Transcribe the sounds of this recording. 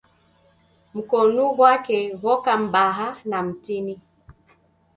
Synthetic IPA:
m̩kɔnuɣwakɛɣɔkam̩baɦanam̩tini

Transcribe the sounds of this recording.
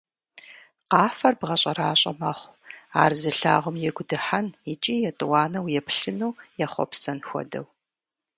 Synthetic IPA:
qaːfɐrbʁɐɕʼɐɾaːɕʼɐ̰mɐχʷ | aːrzɨɬa̰ːʁʷʊmjɛɡʷʊdɨħanit͡ʃʼiːjɛtʼɨwɑːnɐwjɛpɬɨnuːjɛχʷɔ̰psɐnxʷɔ̰dɐ̰w

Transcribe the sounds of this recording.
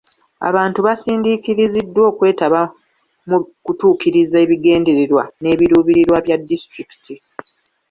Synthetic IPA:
a̰βaːntuβasiːndikiɾizidːwo̞ːkwe̞ːtaβa | mukutuːkiɾizae̞ːβiɡe̞ːnde̞ɾeɾwa̰ne̞ːβiɾuːβiɾiɾwaβjadːistɾiki̥tʰi

